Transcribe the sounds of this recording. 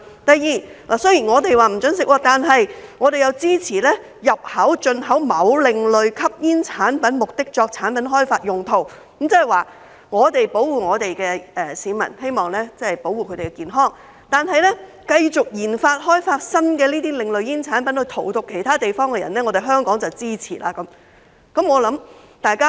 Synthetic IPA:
t̪ɐ˨jiː˨lʔa̰ː˨˩sɵ˥jiː˨˩nŋɔː˨˧t̪e˨jwaː˨m̩˨˩t͡sɵ˨˥nsɪ˨kwaː˧t̪aː˨˧nɦɐ˨jŋɔː˨˧ɾe˨jɐ˨˧wt͡siː˥t͡sʰiː˨˩lɛː˥ | jɐ˨p̚hɐ˨˥wt͡ʃɵ˧nɦɐ˨˥wmɐ˨˧˥wlɪ˨ŋlɵ˨ɥkʰɐ˥p̚jiː˥nt͡sʰaː˨˥npɐ˨˥nmʊ˨k̚t̪ɪ˥k̚t͡ʃɔː˧k̚t͡sʰaː˨˥npɐ˨˥nɦɔː˥jfaː˧t̚jʊ˨ŋt̪ʰo˨˩w̩˨˥ | mt͡sɐ˥hɐ˨˩waː˨˩ | ŋɔː˨˧t̪e˨jpo˨˥wuː˨ŋɔː˨˧t̪e˨jkɛː˧ɛː˨˩siː˨˧mɐ̰˨˩nhe˥jmɔː˨˩ŋlɛː˥t͡sɐ˥hɐ˨˩jpo˨˥wuː˨kʰɵ˧t̪e˨˩kɛ˧kiː˨˩nɦɔː˥ŋ | t̪aː˨nɦɐ˨jlɛ˥ | kɐ˧jt͡sʊ˨k̚jiː˨˩nfaː˧t̚hɔː˥jfaː˧t̚sɐ˥nkɛː˧liː˥t̪iː˥lɪ˨ŋlɵ˨ɥjiː˥nt͡sʰaː˨˥npɐ˨˥nhɵ˧t̪ʰo˨˩wt̪ʊ˨kʰːe˨˩jt̪ʰaː˥t̪e˨jfɔː˥ŋkɛː˧jɐ˨˩nlɛː˥ŋɔ˨˧ɾe˨jɦœː˥ŋkɔː˨˥ŋt͡sɐ˨wt͡siː˥t͡sʰiː˨˩la̰ː˧kɐ˨˦˥m | kɐ˨˥mŋɔː˨˧lɐ˨˥m | t̪aː˨jkaː˥

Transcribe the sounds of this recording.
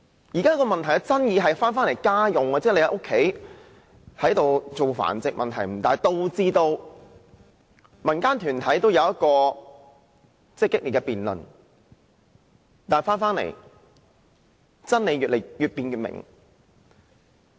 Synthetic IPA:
jiː˨˩kaː˥kɔ˧mɐ˨nt̪ʰɐ˨˩jt͡sɐ˥njiː˨˧ɦɐ˨jfaː˥nfaː˥nle˨˩jkaː˥jʊ˨ŋɐ˧t͡sɛː˥le˧hɐ˨˧jʔo˥kʰːe˨˥j | hɐ˨˥jt̪o˨wt͡so˨wfa̰ː˨˩nt͡sɪ˨k̚mʔɐ̰˨nt̪ʰɐ˨˩jm̩˨˩t̪aː˨˩jt̪o˧wt͡siː˥t̪o˧w | mɐ˨˩nkaː˥nt̪ʰyː˨˩nt̪ʰɐ˨˥jt̪o˥wjɐ˨˧wjɐ˥t̚kɔː˧ | t͡sɛ˥˩kːɪ˥k̚li˨t̚kɛ˧piː˨nlɵ̰˨˩n | t̪aː˨n˨faː˥nfaː˥nlḛ˨˩j | t͡sɐ˥nle˨˧jɥyː˨tlḛ˨˩jyː˨t̚piː˨˧njyː˨t̚mɪ̰˨˩ŋ

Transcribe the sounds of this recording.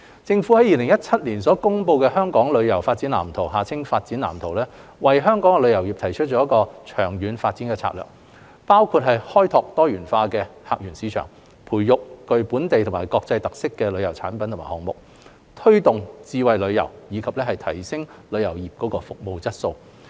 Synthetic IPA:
t͡sɪ˧ŋfu˨˥hɐ˨˥jiː˨lɪ˨˩ŋjɐ˥t̚t͡sʰɐ˥t̚liː˨˩nsɔː˨˥kʊ˥ŋpo˧wkɛː˧hœː˥ŋkɔː˨˥ŋlɵ˨˧ɥjɐ˨˩wfaː˧t̚t͡siː˨˥nlaː˨˩mt̪ʰo˨˩wɦaː˨˩t͡sʰɪ˥ŋfaː˧t̚t͡siː˨˥nla̰ː˨˩mt̪ʰo˨˩wlɛː˥wɐ˨jɦœː˥ŋkɔː˨˥ŋkɛ˧lɵ˨˧ɥjɐ˨˩wjiː˨p̚t̪ʰɐ˨˩jt͡ʃʰt̚t͡ʃɔː˨˥jɐ˥kɔː˧t͡ʃʰœː˨˩ŋjyː˨˧nfaː˧t̚t͡siː˨˥nkɛː˧t͡sʰa̰˧˥lœ̰ː˨˩k̚ | paː˥wkʰuː˧t̚ɦhɐ˨jhɔː˥jt̪ʰɔː˧k̚t̪ɔː˥jyː˨˩nfaː˧kɛː˧ha̰ː˧˨k̚jyː˨˩nsiː˨˥t͡ʃʰœ̰ː˨˩ŋ | pʰuː˨˩jjʊ˨k̚kɵ˨ɥpuː˨˥nt̪e˨jt̪ʰʊ˨˩maː˨˩jkɔː˧k̚t͡sɐ˧jt̪ɐ˨k̚sɪ˥kːɛː˧lɵ˨˧jɐ˨˩wt͡sʰaː˨˥npɐ˨˦nt̪ʰma̰ː˨˩hɔː˨˩ŋmʊ̰˨k̚ | t̪ʰɵ˥ɥt̪ʊ˨ŋt͡siː˧wɐ˨jlɵ˨˧ɥjɐ̰˨˩wjiː˨˧kʰɐ˨p̚lɛː˥hɐ˨jt̪ʰɐ˨˩jsɪ˥ŋlɵ˨˧ɥjɐ˨˩wjiː˨p̚kɔː˨˥kɔː˧fʊ˨k̚mo˨˧wt͡sɐ˥t̚so˧w

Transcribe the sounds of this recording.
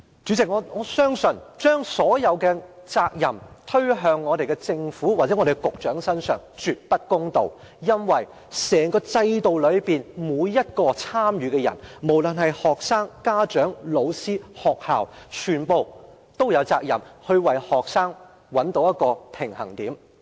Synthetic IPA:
t͡ʃyː˨˥t͡sɪ˨k̚ŋɔː˨˧ŋɔː˨˧sœː˥ŋsɵ˨nt͡ʃœː˥ŋsɔː˨˥jɐ˨˧wkɛ˧t͡saː˧k̚jɐ˨˩mt̪ʰɵ˥ɥɦœː˧ŋːɔː˨˧ɾe˨jkɛ˧t͡sɪ˧ŋfuː˨˥wa˨˩t͡sɛ˨˥ɔː˨˧ɾe˨˩ɡɛ˧kʊ˨k̚t͡ʃœː˨˥ŋsɐ˥nsœ̰ː˨˩ŋt͡ʃyː˨˧t̚pɐ˥t̚kʊ˥ŋt̪o˨w | jɐ˥nwɐ˨˩j | sɛː˨˩ŋkɔː˧t͡sɐ˧jt̪o˨wlɵ˨˧ɥpiː˨nmuː˨˧˥jjɐ˥t̚kɔː˧t͡sʰaː˥mjyː˨˧kɛ˧jɐ̰˨˩nmo˨˩wlɵ˨˩nɦɐ˨jhɔː˨k̚saː˥ŋkaː˥t͡ʃœː˨˥ŋlo˨˧wsiː˥hɔː˨k̚haː˨˩wt͡ʃʰyː˨˩npo˨w | t̪o˥wjɐ˨˧wt͡sa̰ː˧k̚jɐ̰˨˩mhɵ˧ɥwɐ˨˩jhɔː˨k̚saː˥ŋ | wɐ˨˥nt̪o˨˥wjɐ˥t̚kɔː˧pʰɪ˨˩ŋhɐ̰˨˩ŋt̪iː˨˥m

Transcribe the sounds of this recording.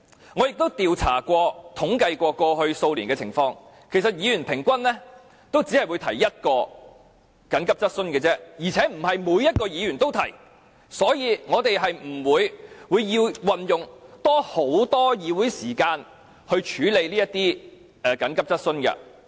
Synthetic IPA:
ŋɔː˨˧jɪ˨k̚t̪o˥wt̪iː˨wt͡sʰa̰ː˨˩kʷɔː˧t̪ʰʊ˨˥ŋkɐ˧jkʷɔː˧kɔː˧hɵ˧ɥso˧wliː˨˩nkɛ˧t͡sʰɪ˨˩ŋfɔː˧ŋ | kʰe˨˩jsɐ˨t̚jiː˨˧ɥyː˨˩npʰɪ˨˩ŋkʷɐ˥nlɛː˥ | t̪o˥wt͡siː˨˥hɐ˨jwu˨˧jt̪ʰɐ˨˩jːɐ˥t̚kɔː˧ | kɐ˨˥nkɐ˥p̚t͡sɐ˥t̚sɵ˥nkɛː˧t͡sɛː˥jiː˨˩t͡sʰɛː˨˥m̩˨˩hɐ˨jmuː˨˥jːɐ˥t̚kɔː˧jiː˨˧ɥyː˨˩nt̪o˥wt̪ʰɐ˨˩j | sɔː˨˥jiː˨˧ŋɔː˨˧t̪e˨jɦɐ˨jm̩˨˩wuː˨˧jwuː˨˧jːiː˧wwɐ˨njʊ˨ŋt̪ɔː˥ho˨˥wt̪ɔː˥jiː˨˧wuː˨˥jsiː˨˩kaː˧n | hɵ˧ɥt͡ʃʰyː˨˥le˨˧jliː˥jɐ˥t̪iː˥ | ɛ˨˩kɐ˨˥nkɐ˥p̚t͡sɐ˥t̚sɵ˥nkɐ̰˧

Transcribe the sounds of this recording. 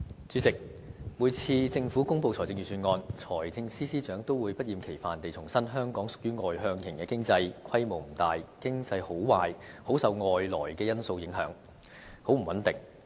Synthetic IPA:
t͡sy˨˥t͡sɪ˨k̚ | muː˨˧jt͡sʰiː˧t͡sɪ˧ŋfu˨˥kʊ˥ŋpo˨˧wʰɔː˨˩jt͡sɪ˧ŋɥyː˨˩syː˧nŋɔː˧nt͡sʰɔː˨˩jt͡sɪ˧ŋsiː˥siː˥t͡ʃœː˨˥ŋt̪o˥wuː˨˧jpɐ˥t̚jiː˨˧mkʰe˨˩jfaː˨nt̪e˨jt͡sʰʊ˨˩ŋsɐ˥nɦœː˥ŋkɔː˨˥ŋsʊ˨k̚jyː˥ŋɔː˨jɦœː˧ŋkʰɪ˨˩ŋkɛː˧kɪ˥ŋt͡sɐ˧jkʰɐ˥jmo˨wm̩˨˩t̪aː˨jkɪ˥ŋt͡sɐ˧jho˨˥wwaː˨jho˨˥wsɐ˨˧wŋɔː˨jlɔː˨˩jkɛː˧jɐ˥nso˧wjɪ˨˥ŋɦœ̰ː˨˥ŋ | ho˨˥wm̩˨˩wɐ˨˥nt̪ɪ˨˩ŋ

